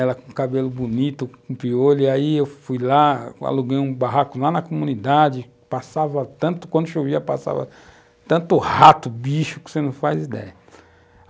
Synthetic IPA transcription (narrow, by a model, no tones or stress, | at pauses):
ɛlɐkõkabelʊbunit̪ʊkũpioliaiewfujlaa̰luɡejũbaɦakʊlanɐkomũnid̪ad͡ʒɪ | pasavɐt̪ɐ̃nt̪ʊ̥kwɐ̃d̪ʊʃoviɐpasa̰vɐ̰ | t̪ɐ̃nt̪ʊhat̪ʊbiʃʊkɪ̥senɐ̃w̃fajzid̪ɛ̰jɐ